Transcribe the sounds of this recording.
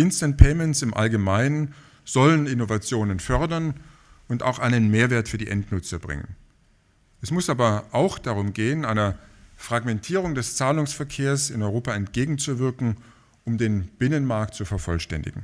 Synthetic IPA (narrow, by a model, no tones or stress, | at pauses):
ɪnstant̚pʰɛɪmɛntsɪmʔa̰lɡəmaɪnən | z̥ɔlənɪnovat͡sjoːnənfœɐdɐn | ʔʊnta̰ʊxʔaɪnənmeːɐveːɐtfyːɐdiːʔɛntnʊt͡sɐbʁɪ̰ŋə̰n | ʔɛsmʊsʔaːbɐʔaʊxd̥aʁ̞ʊmɡeːənʔaɪnɐfʁ̥aɡmɛntʰiːʁ̞ʊŋdɛst͡saːlʊŋsfɛɐkʰeːɐsɪnɔʏʁoːpaɛntɡ̥eːɡŋ̩t͡suvɪɐkŋ̩ | ʔʊmdeːnb̥ɪnənmaɐk̚tt͡sufɛɐfɔlʃtɛ̰ndɪ̰ɡŋ̩